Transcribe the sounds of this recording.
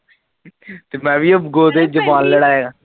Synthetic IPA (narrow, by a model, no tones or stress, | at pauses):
t̪eːmɛ̃ːʋiːəbɡoːd̪eːd͡ʒəbaːnləɽaːeːɡaː